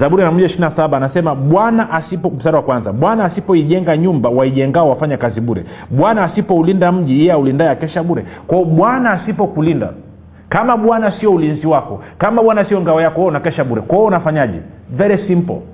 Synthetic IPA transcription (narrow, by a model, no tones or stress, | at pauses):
zaɓuɾinam̩ʄaʃiɾinasaɓaːnasɛmaɓwanaʔasipɔm̩saɾawakwanzaɓwanaːsipɔiʄɛŋɡaɲumbawaiʄɛŋɡaɔwafaɲakaziɓuɾɛ̰ɓwanaːsipɔulindam̩ʄijɛaulindajakɛʃaɓuɾɛkwaɔɓwanaːsipɔkulinda̰ | kamaɓwanasiɔulinziwakɔkamaɓwanasiɔŋɡawajakɔhɔnakɛʃaɓuɾɛkwaɔnafaɲaʄɛ̰ | vɛɾɛsimpɔ̰